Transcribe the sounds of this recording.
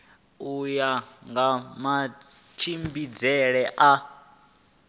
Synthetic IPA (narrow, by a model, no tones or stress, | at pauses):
ujaŋɡama | t͡ʃʰimbid͡zɛɺɛʔa